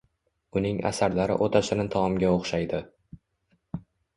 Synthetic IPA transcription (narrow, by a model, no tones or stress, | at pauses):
ʊnɪŋa̰saɾlaɾɪ̰ʔot̪ʰasɪnɪt̪ʰɒmɒmɡʲaoχʃajd̪ɪ